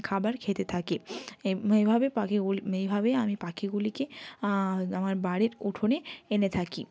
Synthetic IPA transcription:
kʰabaɾkʰet̪et̪ʰake | ejbʱabepaejbʱabeamipakʰiɡulike | amaɾbaɽeɾuʈʰoneenet̪ʰakḭ

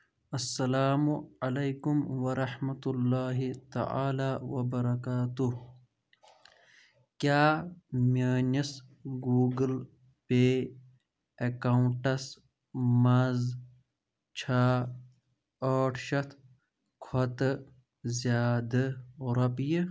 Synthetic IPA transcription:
ɐsːɐlaːmuɐlejkumwɐɾɐħmɐt̪ulːaːɦit̪ɐ̰ʕa̰ːlaːwɐbɐɾɐkaːt̪uh | kjaːmaːnisɡuːɡəl | peː | ɐkaːwɳʈɐs | mɐz | t͡ʃʰaː | aːʈʰʃɐt̪ʰ | kʰɐt̪ | zjaːd̪ɐɾɐpji

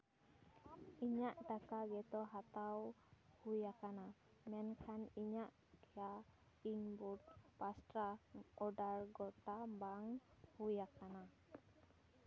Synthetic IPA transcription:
iɲaʔdakaɡɛt̪ɔɦat̪awhujakana | mɛnkʰaniɲaʔ | kia | iŋbud̪̚past̪ɾaɔdarɡɔt̪ambaŋhujakana

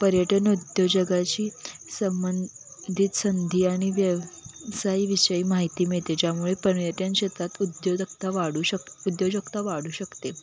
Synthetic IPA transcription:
pəɾjəʈənud̪jod͡ʑəɡat͡ɕiːsəmbənd̪ʱit̪sənd̪ʱiːaɽ̃iʋjəʋsaiːʋiɕəiːmaɦit̪iːmiɭt̪ed͡ʑjamuɭepəɳjət̪jãnɕet̪at̪ud̪jokt̪aʋaɽuɕəud̪jod͡ʑəkt̪aʋaɽ̤uːɕəkt̪e

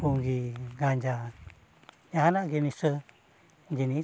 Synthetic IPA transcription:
uŋɡiɡaɲd͡ʒa | ɲaɦanaʔɡenisə | d͡ʒini

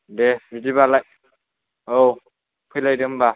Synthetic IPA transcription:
deɾidibalaj | ow | pʰɯjlajdɯmba

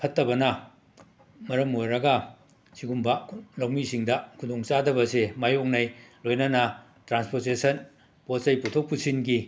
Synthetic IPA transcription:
pʰɐtːɐbɐnɐ | mɐɾɐmojɾɐɡɐ | siɡumbɐlɐwmisiŋdɐkʰudoŋt͡ʃadɐbɐsemajok̚nɐjlojnɐnɐ | tɾanspoɾtesʰɐn | potsɐjputʰok̚pusinɡi

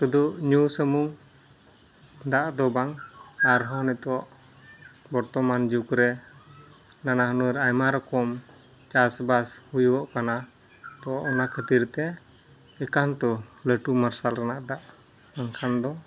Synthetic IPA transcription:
sud̪uʔɲusəmuŋ | d̪aʔd̪ɔbaŋaɾɦɔnɛt̪ɔwɔʔ | bɔɾt̪ɔmand͡ʒukɾɛ | nanaɦənuɾajmaɾɔkɔm | t͡ʃasbashujɔʔkana | t̪ɔɔʔɔnakʰət̪iɾt̪ɛ | ɛkant̪ɔləʈumaɾsalɾɛnaʔd̪aʔ | aŋkʰand̪ɔ

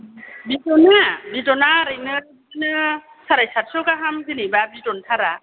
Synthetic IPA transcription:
bitɔnabitɔnaɾɯjnɯɾ | ɯnɯ | saɾajsat̚sɔkaɦamɡɯnibabitɔntʰaɾa

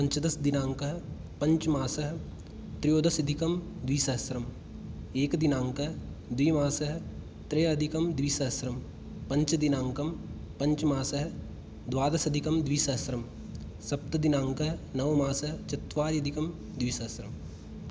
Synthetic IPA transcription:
pɐ̃ɲt͡ʃɐd̪ɐsd̪inãːŋkɐɦ | pɐ̃ɲt͡ʃmaːsɐɦ | t̪ɾijoːd̪ɐsɐd̪ʱikɐmd̪ʋiːsɐɦsɾɐm | eːkd̪inãːŋkɐɦ | d̪ʋiːmaːsɐɦ | t̪ɾeːɐd̪ʱikɐmd̪ʋiːsɐɦsɾɐm | pɐ̃ɲt͡ʃd̪inãːŋkɐm | pɐ̃ɲt͡ʃmaːsɐɦ | d̪waːd̪ɐsɐd̪ʱikɐmd̪ʋiːsɐɦsɾɐm | sɐp̚t̪ɐd̪inãːŋkɐɦnɐʋmaːsɐɦt͡ʃɐt̪ʋaːɾɐd̪ʱikɐm | d̪ʋiːsɐɦsɾɐm

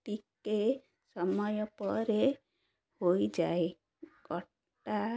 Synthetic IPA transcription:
tike | sɔmɔjɔpɔɾe | hojd͡ʒae | ɡɔʈʈa

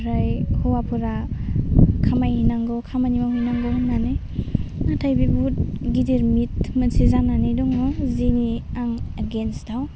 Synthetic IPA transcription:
ɾajhɔwapʰuɾa | kʰamajhinaŋɡɔkʰamanimawɦinaŋɡɔhunːane | natʰajbibut̚ɡidiɾmitmɯnsizananiduŋɔziniaŋaɡensdaw

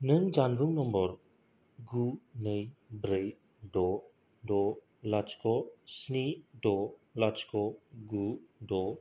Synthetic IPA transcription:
nɯnd͡ʒanbuŋnɔmbɔɾ | ɡunɯjbɾej | dɔ | dɔ | lat͡ʃkɔsnidɔlat͡ʃkɔɡudɔ

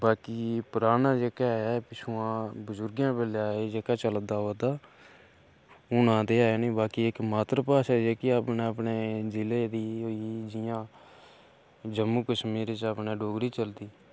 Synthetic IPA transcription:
baːkiːpəɾaːnãːd͡ʒeːkaːɛːpɪt͡ʃʰuːãːbəzʊɾɡjãːbeːlaːeːd͡ʒeːkaːt͡ʃəld̪aːɦəd̪aː | ʊnãːd̪eːaːeːnĩːbaːkiːɪkmaːt̪ɾəpaːʃaːd͡ʒeːkiapneːəpneːd͡ʒɪleːd̪iːoːiːd͡ʒɪjãː | d͡ʒəmːuːkəʃmiːɾt͡ʃəpnẽːɖoːɡɾiːt͡ʃəld̪iː

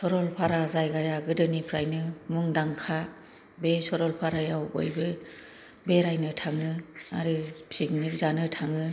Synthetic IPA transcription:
sɔɾɔlpʰaɾazajɡajaɡɯdɯnipʰɾajnɯmuŋdaŋkʰa | besɔɾɔlpʰaɾajawbo̰jbɯ | beɾajnɯtʰaŋɯa̰ɾɯsik̚nizanɯtʰaŋɯ

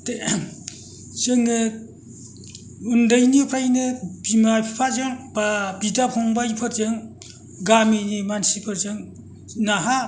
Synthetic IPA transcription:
te | sɯŋɯ | undɯjnipʰɾajnɯbimapʰipʰazɯŋpabidapʰɔŋbaipʰɯɾzɯŋ | ɡaminimansipʰɯɾzɯŋ | naɦa

